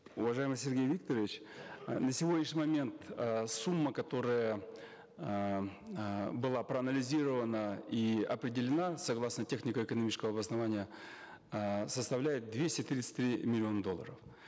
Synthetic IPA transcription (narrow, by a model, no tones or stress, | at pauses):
ʊvɐʐajɪmɨsʲɪrɡʲejvʲik̚t̪əɾəvʲɪt͡ɕnəsʲɪvo̞dʲnʲɪʂɲʲɪmɐmʲe̞nt̪əsumːəkɐt̪o̞ɾəjə | bɨlˠapɾəɐɐnəlʲɪzʲiɾəvənəiɐpɾʲɪdʲɪlʲɪnasɐɡlˠasnətʲe̞xnʲɪkəɪkənɐmʲit͡ɕɪ̥skəvəɐbəsnɐvanʲɪjə | səst̪ɐvlʲæjɪt̪̚d̪vʲesʲtʲɪt̪ɾʲit̪sɨ̥tʲt̪ɾʲimʲɪlʲɪo̞nəd̪olˠːə̰ɾəf